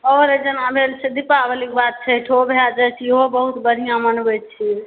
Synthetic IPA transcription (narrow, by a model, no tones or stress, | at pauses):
ɔɾed͡ʒənabʱelt͡ʃʰed̪ipabəlik̚bat̪̚t͡ʃʰəʈʰobʱelad͡ʒət͡ʃʰiobəɦut̪bəɽʱijãmənbet͡ʃʰi